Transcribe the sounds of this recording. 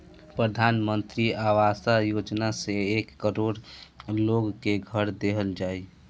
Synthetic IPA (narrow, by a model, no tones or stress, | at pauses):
pɾəd̪ʱanmənt̪ɾiaʋasajod͡ʒnaseekːəɾoɽloɡkeɡʱəɾd̪eɦəld͡ʒaːi